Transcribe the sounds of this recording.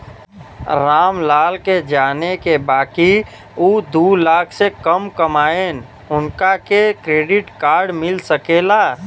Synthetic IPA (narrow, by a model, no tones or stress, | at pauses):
ɾaːmlaːlked͡ʒaːnekebaːki | ud̪uːlaːkʰsekəmkəmaːen | ʊnkakekɾeːɖɪʈkaːɾɖmɪlsəkeːla